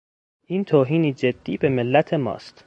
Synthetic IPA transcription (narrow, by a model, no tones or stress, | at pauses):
ʔiːnt̪ʰoːɦiːniːd͡ʒed̪̥ːiːbe̞melːæt̪ʰemɒ̰ːst̪